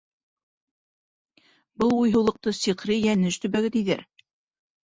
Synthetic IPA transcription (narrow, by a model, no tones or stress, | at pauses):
bɤlˠujɦɤ̆wlˠɤ̆q̚t̪ɤsiqɾɘjænɘʃt̪ɵ̆bæɡɘt̪iðæ̰ɾ